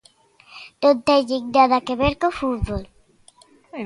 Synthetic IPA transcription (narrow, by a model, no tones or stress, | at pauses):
d̪ont̪eʎiŋd̪aðakeβeɾkofut̪βol